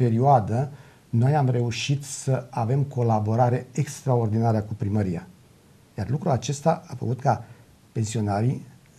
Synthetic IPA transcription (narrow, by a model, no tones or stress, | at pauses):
pe̞ɾioad̪ə | no̞jamre̞uʃit̪səave̞mko̞labo̞ɾaɾe̞ekst̪ɾao̞rd̪inaɾəkupɾiməɾia̰ | jarlukɾuat͡ʃe̞st̪aafə̰kut̪ka | pe̞nsio̞naɾi